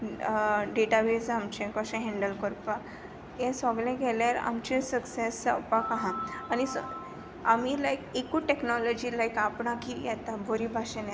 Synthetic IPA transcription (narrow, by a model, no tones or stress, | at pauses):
ɖeʈabed͡zamt͡ɕẽkɔɕẽɦɛ̃ɳɖəlkəɾpa | jɛ̃sɔɡlẽɡɛljaɾa̰mt͡ɕẽsəksesəpakaɦãañis | amilajkekuʈeknɔlɔd͡ʑilajkapɳãkijɛt̪abʱoɾibʱaɕẽnjɛ